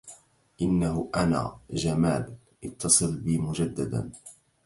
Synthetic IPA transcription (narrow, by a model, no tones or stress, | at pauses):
ʔɪnːahʊʔana̰ːd͡ʒamaːl | ʔɑt̪ːɑsˤɨlbiːmʊd͡ʒad̪ːad̪a̰n